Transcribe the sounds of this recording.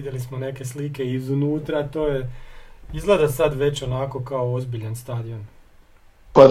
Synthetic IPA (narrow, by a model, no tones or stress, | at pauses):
id̪jelismo̞ne̞ke̞slike̞izunuːt̪ɾat̪o̞ːje | izled̪asad̪ʋe̞t͡ɕo̞nako̞kaoozbiʎanst̪ad̪io̞n | pa